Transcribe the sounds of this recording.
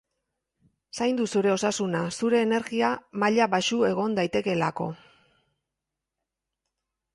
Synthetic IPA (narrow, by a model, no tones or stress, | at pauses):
sajnd̪usuɾe̞o̞sasunasuɾe̞ːne̞ɾɣiamaʎaβaʃue̞ɣ̞o̞nd̪ajt̪e̞ke̞lako̞̰